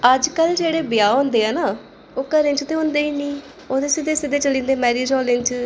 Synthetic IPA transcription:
əd͡ʒkəld͡ʒeːɽeːbɪjaːɦõːnd̪eːaːnaː | oːkəɾɪ̃nt͡ʃt̪eːɦõːnd̪eːiːnĩː | oːd̪eːsɪd̪eːsɪd̪eːt͡ʃəlĩːnd̪eːmɛːɾiːd͡ʒɔːlɪnt͡ʃ

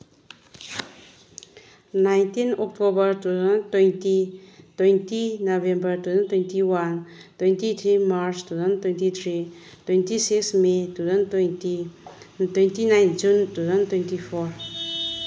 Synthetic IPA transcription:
najnt̪inɔk̚t̪obəɾt̪uzənt̪wɛ̃nt̪it̪wɛ̃nt̪inovɛ̃mbəɾt̪uə̃nt̪wɛ̃nt̪iwan | t̪wɛ̃nt̪it̪ʰɾimaɾt͡ʃt̪uzənt̪wɛ̃nt̪it̪ɾi | t̪wɛ̃nt̪isiksmet̪uzəntti | t̪wɛ̃nt̪inãjnd͡ʒunt̪uzənt̪wɛ̃nt̪ifɔɹ

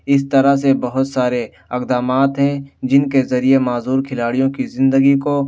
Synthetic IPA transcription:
ɪst̪ɐɾasebɐɦʊt̪saːɾe | ɐqd̪aːmaːt̪ɦɛ̃d͡ʒɪnkezɐɾiemaːzuːɾkʰɪlaːɽijõkizɪ̃nd̪əɡiko

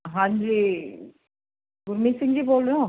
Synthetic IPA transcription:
ɦãːɲd͡ʒi | ɡʊɾmiːsɪ̃ŋɡd͡ʑiboːlɾeõ

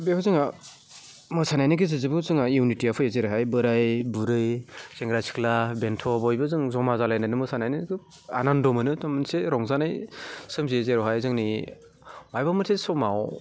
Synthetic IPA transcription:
bepʰazɯŋa | mɯsanajnɯɡizɯzɯbɯzɯŋainitiapʰɯezeɾɯɦajbɯɾajbuɾɯjseŋɡɾasʰi̥klabentʰɔbɔjbɯzɯŋzɔmazalajnanɯmɯsanajnɯɡɯ | a̰nandɔmɯnɯtamɯnseɾɔŋzanajsɯmziezeɾɔɦajzɯŋni | majbamɯtʰesɔmaw

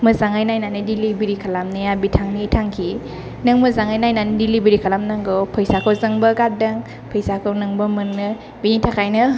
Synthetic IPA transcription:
mɯzaŋajnajnanɯdilibiɾikʰalamnɯjabitʰaŋnitʰaŋkʰi | nɯŋmɯzaŋajnajnanɯdilibiɾikʰalamnaŋɡowpʰəjsakʰowzɐŋbɐɡat̚dɐŋ | pʰəjsakʰownɯŋbɐmɯŋnɯ | binitʰakʰajnɯ

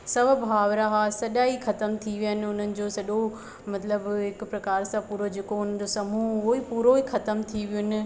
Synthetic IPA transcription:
sɐʋbʱɦaːʋɾaɦasɐʄaːixɐt̪əmt̪ʰiʋijənɪ̆ʊn̤ənɪ̆d͡ʑoːsɐɗo | mɐt̪ləbɦɪkʊpɾɐkaːɾsãpuːɾod͡ʑeːkoʊnəd͡ʑosɐmuʊɦoipuːɾoixɐt̪əmt̪ʰiʋijʊnɪ̆

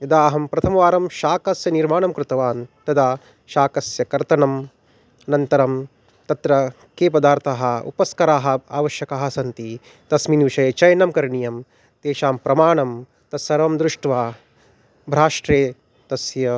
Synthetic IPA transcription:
jɐd̪aːɐɦɐmpɾɐt̪ʰɐmɐʋaːɾɐmʃaːkɐsjɐniɾmaːɳɐmkɾɨt̪ɐʋaːnt̪ɐd̪aː | ʃaːkɐsjɐkɐɾt̪ɐnɐm | ɐnɐnt̪ɐɾɐm | t̪ɐt̪ɾɐ | keːpɐd̪aːɾt̪ʰaːɦɐṵpɐskɐɾaːɦɐa̰ːʋɐʃjɐkaːɦɐ̆sɐnt̪i | t̪ɐsminʋiʃɐjɐt͡ʃɐjɐnɐmkɐɾɳijɐm | t̪eːʃaːmpɾɐmaːɳɐm | t̪ɐsɐɾʋɐmd̪ɾuʂʈʋaː | bʱɾaːʂʈɾeː | t̪ɐsjɐ

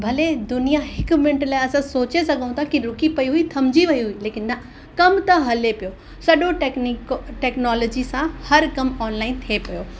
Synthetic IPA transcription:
bʱɐled̪ʊnijaɦɪkmɪ̃ɳʈlaːɪɐsãsoːt͡ɕesɐɠaũt̪ʰakiɾʊkipɐiɦuit̪ʰɐmd͡ʑiʋɐiɦʊileːkɪnːɐ | kɐmt̪ɐɦɐlepijo | sɐɗõʈkʈeːknɔːlɔːd͡ʑisãhɐɾkɐmɔːnlaːɪnt̪ʰiepɐjoː

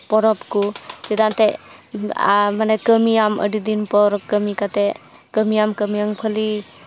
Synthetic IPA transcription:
pɔɾɔpkusidantḛ | manakəmijamə̰didinpɔɾɔkəmikate | kəmijamkəmijaŋpʰəli

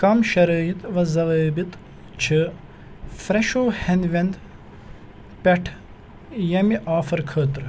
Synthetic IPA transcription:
kɐmʃɐɾɐːjit̪ʋɐzɐʋəːbit̪ | t͡ʃʰɨ | fɾɐʃoːhɐnʋend̪ | pʲeʈʰ | jɐmiʔaːfɐɾkʰəːt̪ɾ

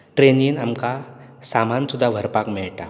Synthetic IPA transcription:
ʈɾeniːnamkasamansud̪ʱːaʋʱəɾpakmiɭʈa

